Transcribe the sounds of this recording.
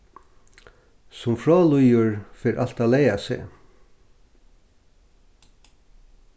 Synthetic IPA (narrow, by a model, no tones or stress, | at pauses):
sʊmfɹɑːlujuɹfeːɾʔɑlt̪ɑːleɪasḛː